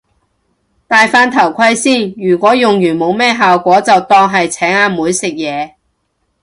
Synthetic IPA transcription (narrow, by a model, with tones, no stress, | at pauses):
t̪aː˨jfaː˧nt̪ʰɐ˨˩wkʰɐ˧˥jsiː˥˩njyː˨˩kʷɔː˨˥jʊ˨ŋjyː˨˩nmo˨˧wmɛː˥ɦaː˨wkʷɔː˨˥t͡sɐ˨wt̪ɔː˧ŋɦɐ˨jt͡sʰɛː˨˥ŋaː˨˧muː˨˧˥jsɪ˨k̚jɛː˨˧